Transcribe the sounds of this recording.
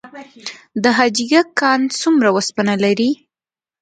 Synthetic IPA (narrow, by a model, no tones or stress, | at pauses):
d̪əɦɑd͡ʒiɡakːɑnt͡sumɾawəspanalaɾi